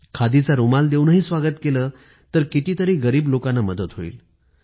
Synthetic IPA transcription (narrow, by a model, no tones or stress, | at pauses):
kʰad̪it͡saɾumald̪ewnəɦiːsʋaɡət̪keləː | t̪əɾkit̪ʰiːt̪əɾiːɡəɾiːblokanːaməd̪ət̪ɦoḭːl